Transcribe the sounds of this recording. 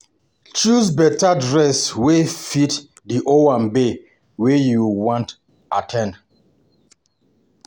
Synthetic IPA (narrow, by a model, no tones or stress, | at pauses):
t͡ʃusbɛtadɹɛswefit | diʔoãmbe | wejuwɔ̃nt | ʔatʰɛ̃nd